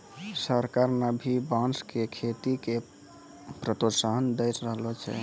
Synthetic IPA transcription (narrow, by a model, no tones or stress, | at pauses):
səɾkaɾnəbʱibãnskekʰet̪ike | pɾət̪osaɦnd̪əjtɾəɦlɔt͡ʃʰɛ̰